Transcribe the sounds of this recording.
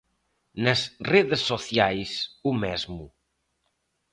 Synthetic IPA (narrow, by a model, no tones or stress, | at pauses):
nəsreðəsːoθjajsumɛzmu